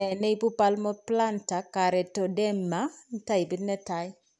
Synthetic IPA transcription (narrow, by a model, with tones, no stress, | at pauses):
ɛ˨ne˦i˦pu˦pa˦lmɔ˦pla˦nta˨ka˨ɾɛ˨tɔ˨dɛ˦mːa˦ta˦i˨bi˦tnɛ˦ta˦j